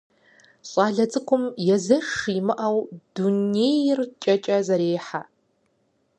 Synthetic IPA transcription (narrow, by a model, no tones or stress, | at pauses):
ɕʼaːɮɐt͡sʼɨkʷʰʊmjɛzɐʂimɨʔawdunejrt͡ʃʼɐt͡ʃʼɐzɐɾeːħa